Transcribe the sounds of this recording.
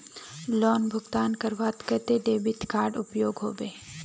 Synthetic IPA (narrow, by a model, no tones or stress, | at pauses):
lɔːnbʱʊɡt̪aːnkɐɾʋaːt̪kət̪ed̪eːbɪt̪ʰkaːɾɖʊpjoːɡɦo̰ːbeː